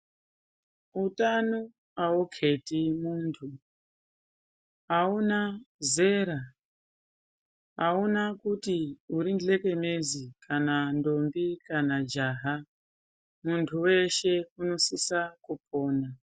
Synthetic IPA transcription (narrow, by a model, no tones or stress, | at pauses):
utanu | aukʰe̞timuːntʰu | aunaze̞ɾa | aunakutiuɾinɮe̞ke̞mezikʰanando̞mbikanad͡ʒaːɦa | muntʰuwe̞ʃe̞uno̞sisakupo̞ːna